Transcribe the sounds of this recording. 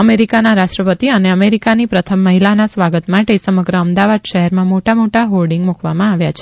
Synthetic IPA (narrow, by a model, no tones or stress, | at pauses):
əmeɾikanaɾaʃʈɾəpət̪iəneəmeɾikanipɾət̪ʰəmːəɦilanasʋaɡət̪mãʈesəməɡɾəəmd̪aʋad̪ʃəɦɛɾmãmoʈamoʈaɦolɖiŋɡmukʰʋamãaʋjat͡ʃʰe̥